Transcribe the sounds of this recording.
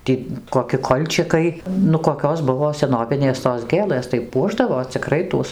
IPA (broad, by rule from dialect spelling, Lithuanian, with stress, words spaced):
ˈtʲiː koːˈkʲɪ ˈkoːlʲt͡ʃʲɪkɐɪ nʊ koːˈkʲoːs ˈbʊʋoː sʲɛˈnoːʋʲɪnʲeːs toːs ˈɡʲeːlˠɘs tɐɪ ˈpuɔʒdɐʋoː t͡sʲɪˈkrɐɪ ˈtuɔs